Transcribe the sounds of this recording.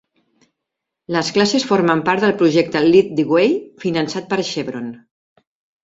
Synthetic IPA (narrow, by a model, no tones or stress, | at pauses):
ləsklasesfoɾməmpaɾt̪ðəlˠpɾuʒɛk̚t̪əlit̪̚d̪iɣwejfinənsat̪̚pəɾʃeβɾon